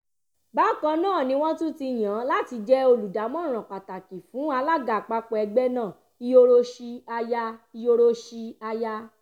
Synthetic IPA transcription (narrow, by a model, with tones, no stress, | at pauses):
ba˦˨kã˧nãː˦˨nĩ˧˦w̃ɔ̃˦tũ˦ti˧j̃ã˨˦la˦ti˧˦d͡ʒɛ˦o˧lu˨da˨˦mɔ̃˦˨ɾ̃ɔ̃˨k͡pa˨ta˨ki˨fũ˨˦a˧la˦ɡa˨k͡pa˧k͡pɔ˧ɛ˧ɡ͡bɛ˦nãː˦˨ | i˧o˧ɾo˧ʃi˧a˧ja˦˧i˧o˧ɾo˧ʃi˧a˧ja˦